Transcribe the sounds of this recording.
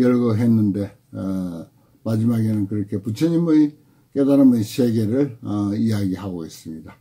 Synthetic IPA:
jʌɭɡɯɦenːɯnde | mad͡ʑimaɡenɯnkɯɾʌkʰe̞put͡ɕʰeɲimɯj | kedaɾɯmɯjseɡeɾɯɭijaɡihaboesɯmɲida

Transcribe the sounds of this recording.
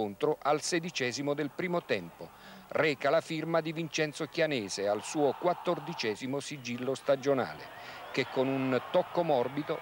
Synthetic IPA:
ont̪ɾʊʔalsɛd̪it͡ʃɛːzimod̪elpɾiːmot̪ɛmpo | rɛːkalafirmad̪ivint͡ʃɛnt̪sokjanɛːzealsuːokwat̪ːord̪it͡ʃɛːzimosid͡ʒilːost̪ad͡ʒona̰ːlḛ | kekːonunt̪ɔkːomɔrbit̪o

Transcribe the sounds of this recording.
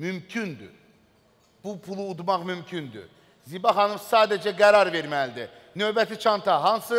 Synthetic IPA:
mymcʰynd̪y̰ | b̥upʰulˠuːd̪mɑχmymcʰynd̪y̰ | zibɑχɑnovsɑːd̪æd͡ʒæɡæɾɑɾve̞ɾmælid̪i | nø̞bæt̪ʰit͡ʃʰɑnt̪ʰɑɦɑnsɯ

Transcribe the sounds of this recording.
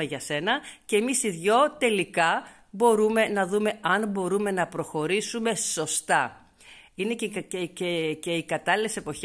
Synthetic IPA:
eʝɐse̞nɐce̞ːmisiðʝo̞t̪e̞likɐ | bo̞ɾume̞nɐðume̞ɐnbo̞ɾume̞nɐpɾo̞xo̞ɾisume̞so̞st̪ɐ | inecececeikɐt̪ɐlile̞se̞po̞ç

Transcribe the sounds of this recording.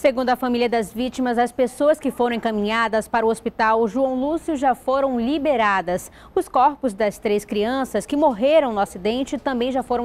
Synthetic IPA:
seɡũnd̪ʊɐfamiliɐd̪ɐzvit͡ʃimɐzɐspesoɐskɪfoɾɐ̃w̃ẽŋkɐmĩɲad̪ɐspaɾʊospit̪awʒuɐ̃w̃lusjʊʒafoɾɐ̃w̃libeɾad̪ɐs | ʊskɔɾpʊzd̪ɐst̪ɾeskɾiɐ̃sɐskɪmoɦeɾɐ̃w̃nʊasid̪ẽnt͡ʃɪt̪ɐ̃mbẽj̃ʒafoɾɐ̃

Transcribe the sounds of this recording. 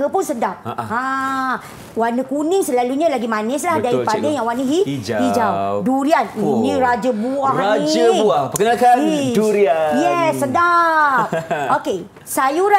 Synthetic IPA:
əpʊnsədap̚a | wanəkunɪŋsəlaluɲalaɡimanəs̬lahdaɾipadajaŋwanəɦid͡ʒhid͡ʒawduɾianniɾad͡ʒəbuahnid͡ʒəuahpəkənakanduɾiajɛsːədap̚oke | sajuɾa

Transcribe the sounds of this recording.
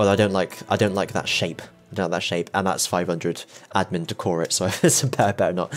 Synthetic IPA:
wɛlˠaɪɾõʊ̃nʔlaɪkaɪdõʊ̃nʔlaɪk̚ðə̰tʃeɪpɪdõlaɪk̚ðətʃeɪpə̃nðæ̰tsfaɪv̥hʌ̃ndɹɨdæd̚mɪ̃ntʰəkʰɔɹɪtsoʊaɪsəbʰɛbɛnə̰t̚

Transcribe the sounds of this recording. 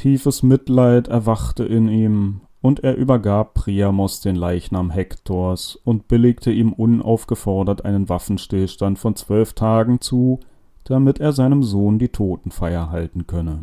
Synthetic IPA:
tʰiːfəsmɪtlaɪtɛɐvaχtəʔɪniːm | ʔʊnteːɐʔyːbɐɡaːpːʁ̥iamɔsd̥eːnlaɪçnaːmɦɛktʰoɐsʊnt̚b̥ɪlɪktʰəʔiːmʔʊnʔa̰ʊfɡ̥əfɔɐdɐtʔaɪnənvafn̩ʃtɪlʃtantfɔnt͡sv̥œlftʰaːɡŋ̩t͡suː | d̥amɪteːɐzaɪnəmzoːndiːtʰoːtn̩faɪɐɦaltn̩kʰœnə

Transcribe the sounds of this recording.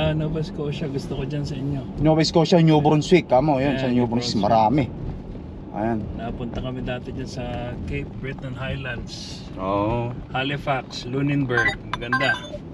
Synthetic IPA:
noːbɐjskoʃaɡʊst̪okod͡ʒansɐʔɪɲːo̞nobɐjskoʃaɲoːbɾonswɪkːamojonʃaɲoːbɾoŋswɪkmɐɾaːmɛ | ʔɐ̰jannɐpʊnt̪ɐkɐmɪd̪aːt̪ɛd͡ʒansɐkejp̚bɹɪt̪ɐnhajland̪s | ohalɪfakslunɪnbɛɹɡ̚mɐɡɐnd̪a

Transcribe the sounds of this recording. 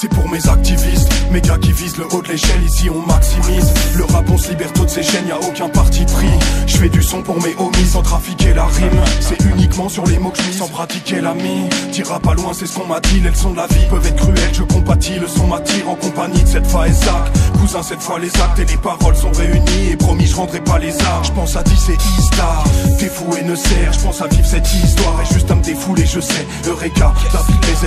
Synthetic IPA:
sɛpuʁmezak̚t̪ivist̪mekakʲivizləʔod̪leʃɛlisiɔ̃maksimisləʁapɔ̃slibɛʁt̪od̪əseʃɛniaokʲɛ̃paʁt̪ipχiʒ̥əfɛd̪ysɔ̃puʁmeʔomisɑ̃t̪χafikʲelaʁimsɛynikmɑ̃syʁlemokəʒəmisɑ̃pχat̪ikʲelamid̪iʁapalwɛ̃sɛsə̥kɔ̃mad̪ilɛləsɔ̃d̪əlavipœvɛt̪χəkχyɛlʒəkɔ̃pat̪ʰiləsɔ̃mat̪ʰiʁɑ̃kɔ̃paɲid̪əsɛt̪fwaezak̪kuzɛ̃sɛt̪fwalezak̚t̪elepaʁɔlsɔ̃ʁeyniepχɔmiʒəʁɑ̃d̪ʁɛpalezaʁʒəpɑ̃sad̪isɛist̪aʁt̪efuenəsɛʁʒəpɑ̃savivsɛt̪ist̪waʁeʒyst̪ɛ̃d̪efuleʒəsɛ | øʁɛkat̪ãfikezɛ

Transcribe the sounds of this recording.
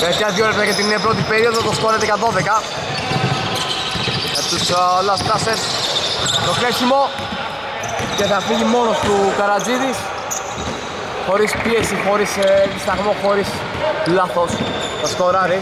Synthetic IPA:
eθjɐðjoɾepsɐcet̪inːepɾot̪̬ipeɾio̞ðot̪ɐskoɾɐðikɐðo̞ðekɐ | et̪uslɐst̪ɐses | t̪okɾesimo̞ | ce̞θɐfiʝimo̞no̞st̪ukɐɾɐd͡ziðis | xo̞ɾispiesixo̞ɾiseðist̪ɐɣmoxo̞ɾis | laθos | θɐsko̞ɾɐɾi

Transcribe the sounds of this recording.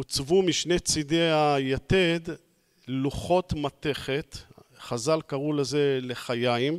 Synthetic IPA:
ut͡svumiʃnet͡sid̪eajat̪ed̪ | luχo̞t̪mat̪e̞χet̪χazalkaʁuleze̞le̞χajaim

